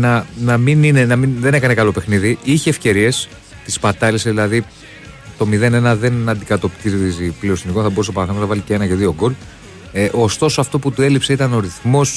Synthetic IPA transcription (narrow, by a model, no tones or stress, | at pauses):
nɐnɐminine̞nɐminðene̞kɐnekɐlo̞pe̞xniðiiçeːfce̞ɾie̞s | t̪ispɐt̪ɐliseðilɐði | t̪o̞miðe̞ne̞nɐðe̞nɐnd̪ikɐt̪o̞pt̪izipliost̪inikonθɐbo̞ɾusopɐɐθɐonɐvɐlicee̞nɐʝɐðio̞ɡo̞l | eʔo̞st̪o̞so̞ɐft̪o̞put̪ue̞lipse̞it̪ɐno̞ɾiθmo̞s